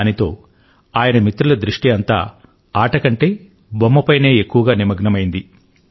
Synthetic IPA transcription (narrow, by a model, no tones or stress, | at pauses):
nit̪o̞ː | aːjɐnɐmit̪ɾulɐd̪ɾiʂʈiɐnt̪a̰ː | aːʈɐkɐɳʈe̞ː | bomːɐpɐjne̞ːekːuʋɐɡaːnimɐɡnɐmɐjind̪i